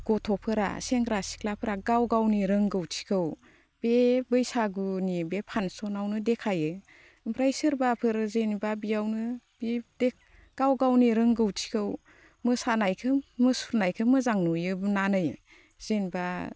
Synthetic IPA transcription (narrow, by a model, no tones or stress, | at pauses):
ɡ̥ɔtʰɔpʰɯɾa̰seŋɡɾasi̥kʰlapʰɯɾaɡawɡawniɾɯŋɡɯwtʰi̥kʰɯw | b̥ebɯjsaɡunibepʰansɔnawnɯdekʰajɯ | pʰɾajsɯɾbapʰɯɾzenibabijawnɯ | bidek̚ | ɡ̥awɡawniɾɯŋɡɯwtʰi̥kʰɯw | mɯsanajkʰɯmɯsuɾnajkʰɯmɯzaŋnujɯbnanɯj | z̥enba